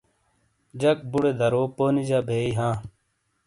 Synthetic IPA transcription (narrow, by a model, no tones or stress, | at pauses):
d͡ʑɐk̚buɽed̪ʱɐɾoːpoːnid͡ʑaːbʱeːiɦãː